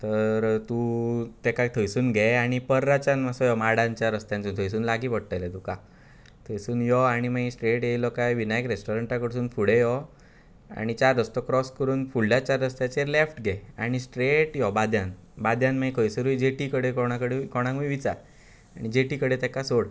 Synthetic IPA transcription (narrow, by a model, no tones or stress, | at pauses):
t̪əɾt̪ut̪ɛkat̪ʰəjsuːnɡʱɛaɽ̃ipəɾːat͡ɕanmasɔjɔmaɽãɲt͡ɕjaɾəst̪jãnt͡suːnt̪ʰəjsuːnlaɡiːpəɽ̚ʈ̪ajlet̪uka | t̪ʰəjsuːnjɔaɽ̃imaisʈɾeʈjelɔkajʋinajkɾesʈɔɾəɳʈakəɽsuːnfuɽejɔ | a̰ɽ̃it͡ɕaɾːəst̪ɔkɾɔskəɾuːnfuɭːjat͡ɕaɾːəst̪jat͡ɕeɾlefʈɡʱɛa̰ɽ̃isʈɾeʈjɔbad̪ʱjan | bad̪jãnmaikʰəjsəɾuid͡ʑeʈikəɽekɔɽ̃akəɽekɔɽ̃ãŋɡuʋit͡saɾ | aɽ̃id͡ʑeʈikəɽet̪ɛkasoɽ